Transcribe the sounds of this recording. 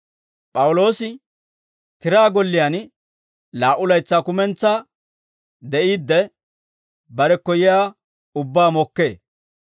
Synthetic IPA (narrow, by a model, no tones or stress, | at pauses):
pʼɐwʊlo̞ːsɪ | kɪɾaːɡɔlːɪjan | laːʔʊlɐjt͡sːaːkʊmɛnt͡sːa | d̪ɛʔiːd̪ːɛ | bɐɾɛkːɔjɪjaː | ʊbːaːmɔkːe̞̰ː